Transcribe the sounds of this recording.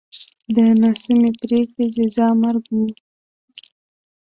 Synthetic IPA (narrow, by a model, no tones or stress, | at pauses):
d̪ənɑsɪmepɾekɽed͡ʒɪzɑmaɾɡnu